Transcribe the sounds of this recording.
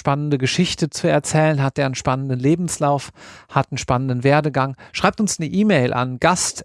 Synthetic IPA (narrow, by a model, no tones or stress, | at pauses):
ʃpanəndəɡəʃɪçtət͡suɛɐt͡sɛːlənɦat̚d̥eːɐənʃpanəndənleːbm̩slaʊfhatn̩ʃpanəndənveːɐdəɡaŋʃʁ̥aɪp̚tʊnsnəʔiːmɛɪlʔa̰nɡ̥ast